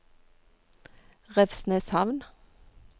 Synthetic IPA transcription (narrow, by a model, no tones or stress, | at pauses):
ʁɛʋsneːshɑʋn